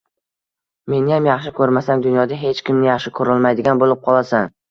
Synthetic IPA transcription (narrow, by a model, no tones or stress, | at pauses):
me̞nɪjamjɑχʃɪkʰɵɾmasamd̪ʊnjɒd̪aɦe̞t͡ʃkʲʰɪmnɪjɑχʃɪkʰɵɾɪlmajd̪ɪɡʲanbolˠɪp̚qʰɒlˠasan